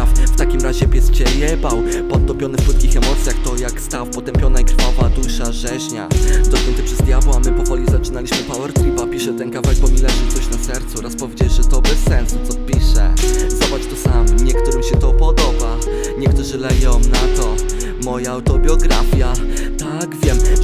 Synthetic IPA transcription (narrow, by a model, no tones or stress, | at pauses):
fft̪akʲimɾaʑɛpʲjɛst͡ɕɛjɛbawpɔt̪ːɔmpʲjɔnɘfpwut̪̚kʲixɛmɔt̪sʲjaxt̪ɔjakst̪afpɔt̪ɛmpʲjɔnaikɾfavad̪uʂaʐɛɕɲad̪ɔɕɲʲɛnt̪ɛpʂɛzd̪ʲjabwamɘpɔvɔlʲizat͡ʂɘnalʲiɕmɘpawɛɾt̪ɾipapʲiʂɛt̪ɛnkavat͡ɕbɔmʲilɛʐɛt̪ɔɕnasɛɾt̪suɾaspɔvʲed͡ʑɛʐɛt̪ɔbɛsːɛnsu̥t̪sɔpʲiʂɛ̰zabat͡ʂt̪ɔsamɲɛkt̪uɾɘmɕɛt̪ɔpɔd̪ɔba | ɲɛkt̪uʐɘlɛɡɔw̃nat̪ɔ | mɔjaːwt̪ɔbʲjɔɡɾafʲjat̪aɡvʲjɛm